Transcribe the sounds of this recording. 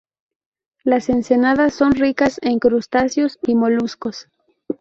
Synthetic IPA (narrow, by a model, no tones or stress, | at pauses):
lase̞nse̞naðasːo̞nrikase̞ŋkɾust̪asjo̞simo̞lusko̞s